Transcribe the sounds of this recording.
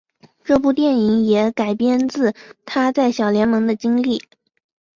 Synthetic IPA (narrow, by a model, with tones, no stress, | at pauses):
ʈ͡ʂɤ˥˧p̬u˥˧t̪jɛ˥˩ni˧˥ŋjɛ˧˥ka˨˩ɪpjɛ˥nt͡sɹ̩˥˩t̪ʰa˥t͡sa˥˩ɪɕjɑ˨˩ʊljɛ˧˥nmɤ˧˥ŋd̪ə˧t͡ɕi˥ŋli˥˩